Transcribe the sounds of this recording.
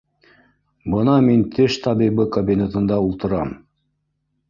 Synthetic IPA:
bɤnɑmint̪ʰɘʃt̪ʰɑbibɘkobʲinʲet̪ɤ̆nd̪ɑulˠt̪ɤ̆ɾɑm

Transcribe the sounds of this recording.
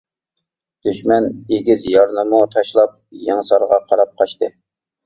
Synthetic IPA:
d̪̥yʃmɛneɡʲizjɑɾnɨmut̪ʰɑʃlˠɑp̚jɑŋsɑɾʁɑqʰɑɾɑp̚qʰɑʃt̪ɨ

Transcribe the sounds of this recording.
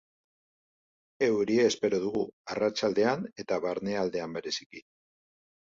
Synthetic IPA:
e̞wɾie̞ːspe̞ɾoð̞uɣuarat͡ʃald̪e̞ane̞t̪aβaɾne̞ald̪e̞ambe̞ɾe̞siki

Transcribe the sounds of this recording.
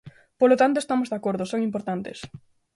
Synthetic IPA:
polot̪ant̪oest̪amozðakoɾðʊsoŋimpoɾt̪ant̪es

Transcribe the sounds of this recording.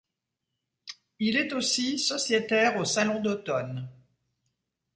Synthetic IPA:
ilɛt̪osisɔsjet̪ɛʁosalɔ̃d̪ot̪ɔn

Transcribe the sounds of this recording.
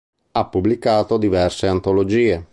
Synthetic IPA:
apːublikaːt̪od̪ivɛrseant̪olod͡ʒiːe

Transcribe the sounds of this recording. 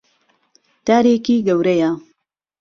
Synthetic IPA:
t̪aːɾeːkiːɡɐwɾɐja

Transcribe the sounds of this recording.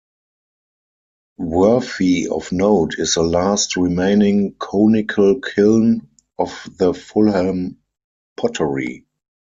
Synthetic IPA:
wɜ˞fiɔ̰fnoʊtʰɪsðəlastɹimẽɪ̃nɪ̃ŋkʰɔnɪkʰəlkʰɪln | ʔɔfðəfʊlhɛlm | pʰɔtʰəɹḭ

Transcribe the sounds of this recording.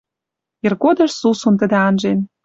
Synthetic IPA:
irɡod̪ɤ̆ʃsusunt̪ə̆d̪ĕɑnʒen

